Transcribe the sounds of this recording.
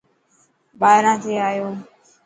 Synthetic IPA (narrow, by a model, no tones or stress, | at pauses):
ɓaːɪɾãːt̪ʰeːaːjoː